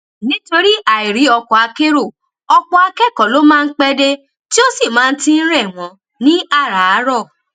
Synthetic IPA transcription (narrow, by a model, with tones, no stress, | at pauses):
nĩ˦to˧ɾi˦ʔa˨i˨ɾi˨˦ɔ˧kɔ˧˨a˧ke˦ɾo˦˨ | ɔ˧k͡pɔ˧a˧kɛ˦˨kɔ˨lo˨˦mãː˦˧n̩˦k͡pɛ˧de˧ | ti˦o˦si˦˨mãː˦˧n̩˦ti˧n̩˦ɾɛ˦˨w̃ɔ̃˨ | nĩ˦a˦˨ɾa˨a˨˦ɾɔ˦˨